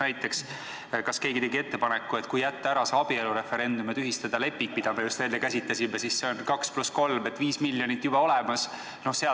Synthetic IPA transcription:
æjt̪ːˑe̞ks | kɑske̞ːɡit̪e̞ɡie̞t̪ːe̞pɑnekːˑue̞t̪kujæt̪ːɑæɾɑseɑb̥ie̞luɾe̞fe̞ɾe̞nd̪̥umet̪yɦist̪ɑd̪̥ɑle̞pːiŋk̚pid̪̥ɑmejust̪eːnekæsʲit̪ˑːɑsʲimesisse̞onkɑksplusko̞lme̞t̪ːˑviːsmilʲːjo̞nit̪ːˑjub̥ɑo̞lɛmɑs | no̞hseɑ

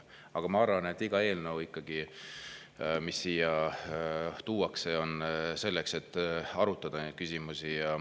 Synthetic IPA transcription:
ɑɡ̥ɑmɑɑɾvɑne̞t̪ˑːiɡ̥ɑe̞ːlnəwikːˑɑɡ̥i | misːiːjɑ | t̪uːwɑkse̞o̞nse̞lːekse̞t̪ːˑɑɾut̪ːˑɑd̪̥ɑnejd̪̥kysʲimusijɑ

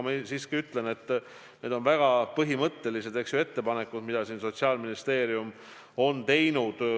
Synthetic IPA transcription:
mesiːskiyt̪ˑle̞ne̞t̪ː | ne̞ːd̪o̞nvæɡ̥ɑpɤɦimɤt̪ːe̞lise̞d̪̥e̞ksjue̞t̪ːe̞pɑne̞kːˑud̪̥mid̪̥ɑsiːnso̞t̪ʲsiɑːlminist̪e̞ːɾium | o̞nt̪e̞jnud̪̥

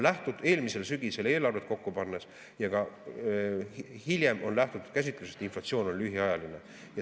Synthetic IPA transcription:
læht̪ud̪̥e̞ːlmise̞lsyɡ̥ise̞le̞ːlɑrvet̪ko̞kːupɑnːes | jɑɡ̥ɑ | hilʲje̞mo̞nlæht̪ut̪ut̪̚kæsʲit̪ːˑluset̪inflɑt̪sio̞ːno̞nlyɦiɑjɑline̞ | jɑ

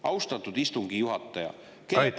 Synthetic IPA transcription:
ɑwst̪ɑt̪ːˑud̪ist̪uŋɡ̥ijuɦɑt̪ːˑɑjɑ̰ | ke

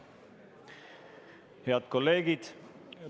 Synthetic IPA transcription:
he̞ɑd̪̥ko̞lːe̞ːɡ̥id̪̥

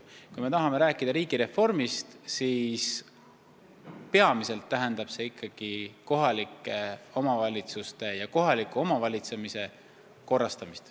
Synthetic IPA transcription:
kujme̞t̪ɑɦɑme̞ɾæːkːˑid̪̥ɑɾiːɡ̥iɾe̞fo̞rmist̪siːs | pe̞ɑmise̞lt̪ːæɦe̞nd̪̥ɑb̥se̞ikʰːɑɡ̥iko̞ɦɑlikːˑe̞o̞mɑvɑlʲit̪sust̪e̞jɑko̞ɦɑlikːˑuo̞mɑvɑlʲit̪se̞mise̞ | ko̞rːɑst̪ɑmist̪

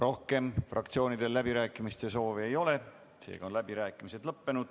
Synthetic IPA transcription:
ro̞hke̞mfrɑ̰kt̪sio̞ːnid̪̥e̞lːæbiɾæːkːˑimist̪e̞so̞ːveejo̞le̞ | sḛːɡɑonlæb̥iɾæːkːˑimise̞d̪̥lɤpːe̞nud̪̥

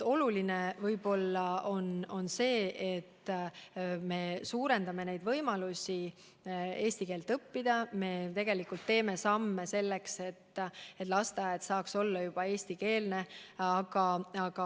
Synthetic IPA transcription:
o̞luline̞vɤjbo̞lːɑo̞no̞nse̞ːʔet̪ːˑ | me̞suːɾe̞nd̪ɑme̞ne̞jd̪vɤjmɑlusʲi | e̞ːsʲt̪ikeːlt̪ɤpːid̪̥ɑme̞t̪e̞ɡ̥e̞likult̪ːe̞ːme̞sɑmːese̞lːe̞kse̞t̪ːe̞t̪ˑlɑst̪ɑjɑd̪sɑːkso̞lːɑjub̥ɑe̞ːsʲt̪ike̞ːlneɑɡ̥ɑɑɡ̥ɑ

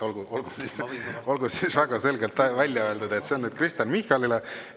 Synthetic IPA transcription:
olɡ̥uolɡ̥usiso̞lɡ̥usisvæɡ̥ɑse̞lɡe̞lt̪vælʲjɑø̞ld̪ɑd̪ɑet̪se̞o̞nnyːd̪̚krist̪jɑnmihkɑlile

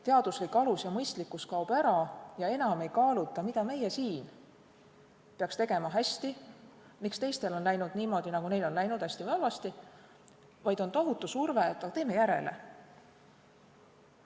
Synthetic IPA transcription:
t̪e̞ɑd̪̥uslikːˑɑlusjɑmɤjst̪likːˑuskɑub̥æɾɑjɑe̞nɑme̞jkɑːlut̪ːˑɑmid̪̥ɑme̞jesiːn | peɑkst̪e̞ɡ̥e̞mɑɦæsʲt̪i | mikst̪e̞jst̪e̞lo̞nlæjnud̪̥niːmo̞ːd̪̥inɑɡ̥une̞jlo̞nlæjnud̪̥hæsʲt̪ivɑlvɑst̪i | vɑjd̪o̞nt̪o̞ɦut̪ːˑusurvet̪ːɑt̪e̞ːme̞jæɾḛle̞̰

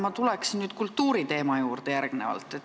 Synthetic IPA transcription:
mɑt̪ulɛksinnyːd̪̥kult̪ːuːɾit̪e̞ːmɑjuːrd̪̥ejærɡ̥nevɑ̰lt̪ːˑet̪

